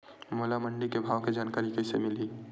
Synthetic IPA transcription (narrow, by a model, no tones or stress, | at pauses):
moːlaməɳɖikebʱaːʋked͡ʒaːnkaːɾikəsḛmɪliː